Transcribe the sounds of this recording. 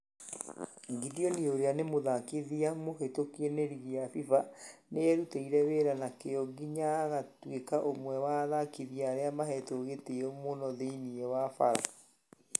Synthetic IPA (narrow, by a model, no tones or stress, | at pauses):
ŋɡiðiɔnieoɾeanemoðakiðiamohetokeneɾiɣiafifaneɛɾuteiɾɛβeɾanakeɔɡiɲaɣatwekaʔomwɛwaðakiðiaːɾeamaɦɛtoɣeteɔmonɔðeiniewafaɾa̰